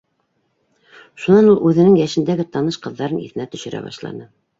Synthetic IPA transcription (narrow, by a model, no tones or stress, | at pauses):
ʃunɑnulˠʉðɘ̆nɘŋjæʃɘ̆nd̪æɡɘt̪ɑnɤʃqɤ̆ðːɑɾɤnḭθɘ̆næt̪ɵ̆ʃɘ̆ɾʔæ̰βɑ̰ʃlˠɑ̰nɤ